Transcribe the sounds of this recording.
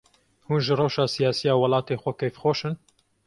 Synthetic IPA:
huːnʒɨrawʃɑːsijaːsijɑːwɐlɑːt̪eːxʷɛkɛjfxoːʃɨn

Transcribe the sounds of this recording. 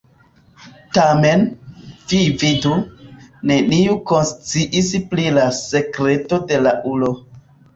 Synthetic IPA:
tame̞nvividune̞niuko̞nst͡siʔisplilase̞kɾe̞to̞de̞laʔulo

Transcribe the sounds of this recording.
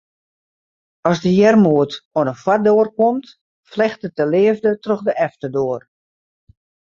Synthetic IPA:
ɔsdəjɛrmuətoənəfwadoːrkomt | flɛxtət̚əlɪəvdətrɔxdəʔɛftədoər

